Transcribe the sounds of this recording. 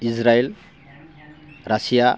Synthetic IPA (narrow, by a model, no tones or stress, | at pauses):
izɾael | ɾasija